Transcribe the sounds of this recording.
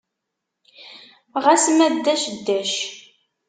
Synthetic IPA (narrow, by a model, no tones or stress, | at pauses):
ʁæsmæd̪ːæʃd̪ːæʃ